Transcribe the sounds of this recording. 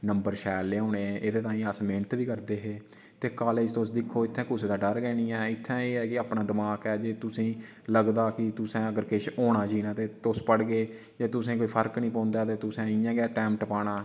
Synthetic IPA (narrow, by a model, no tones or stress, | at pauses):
nəmbəɾʃɛːlːeːõːneːʔeːd̪eːt̪ãːĩːəsmeːnət̪ʋiːkəɾd̪eːɦeː | t̪eːkaːled͡ʒt̪osd̪ɪkʰːoːɪt̪ʰːɛ̃ːkʊseːd̪aːɖəɾɡɛːnĩːɛːɪt̪ʰːɛ̃ːeːɛːkɪaːpɳãːd̪ɪmaːkɛːd͡ʒeːt̪ʊsĩː | ləɡd̪aːkɪt̪ʊsɛ̃ːəɡəɾkɪʃoːɳaːd͡ʒiːnaːt̪eːt̪ospəɽɡeː | d͡ʒeːt̪ʊsẽːkoːiːpʰəɾknĩːpãːnd̪aːt̪eːt̪ʊsɛ̃ːɪjãːɡɛːʈɛːmʈəpaːɽaː